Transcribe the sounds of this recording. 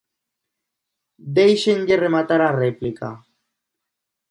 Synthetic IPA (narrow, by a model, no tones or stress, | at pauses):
d̪ejʃeŋɡeremat̪aɾareplika̰